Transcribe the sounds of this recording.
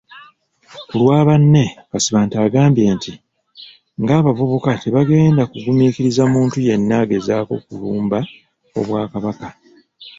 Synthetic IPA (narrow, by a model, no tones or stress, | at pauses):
kulwaːβanːe̞kasiβaːntaːɡaːmbje̞ːnti | ŋɡaːβavuβukate̞βaɡe̞ːndakuɡumiːkiɾizamuːntuje̞nːaːɡe̞zaːko̞̰kuluːmba | o̞̰βwaːkaβaka